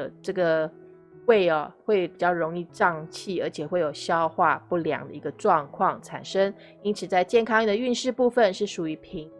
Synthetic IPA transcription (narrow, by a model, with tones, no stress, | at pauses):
əʈ͡ʂɤ˥˩ɡə˩ | we˥˩ɪɐ˩xwe˥˩ɪpi˨˩t͡ɕjɑ˥˩ʊɻo˧˥ŋi˥˧ʈ͡ʂɑ˥˧ŋt͡ɕʰi˥˩ə˞˧˥t͡ɕʰjɛ˨˩xwe˥˩ɪjo˨˩ʊɕjɑ˥ʊxwa˥˧pu˥˩ljɑ̰˨˩ŋd̪ə̰˨i˧˥ɡə˧ʈ͡ʂwɑ˥˧ŋkʰwɑ˥˩ŋʈ͡ʂʰa̰˨˩nʂə˥ŋ | i˥nt͡sʰɹ̩˨˩t͡sa˥˧ɪt͡ɕjɛ˥˩nkʰɑ˥ŋ˥˩d̪ə˨˩y˥˧nʂɻ̩˥˧pu˥˧fə˨nʂɻ̩˥˩ʂu˨˩y˧˥pʰi˧˥ŋ